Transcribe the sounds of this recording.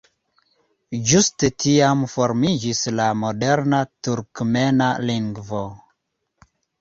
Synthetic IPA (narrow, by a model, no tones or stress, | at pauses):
d͡ʒustetiamfoɾmid͡ʒislamodeɾnatuɾkmenaliŋɡvo